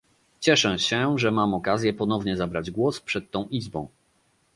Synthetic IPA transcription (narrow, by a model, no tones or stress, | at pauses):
t͡ɕɛʂɛɕɛʐɛmamɔkazʲjɛpɔnɔvɲɛzabɾad͡ʑɡwɔspʂɛt̪ːɔ̃w̃ʔizbɔ̃w̃